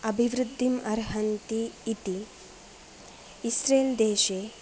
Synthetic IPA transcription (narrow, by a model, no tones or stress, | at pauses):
ɐbʱiʋɾud̪ʱːimɐɾɦɐnt̪iːt̪i | isɾeːld̪eːʃe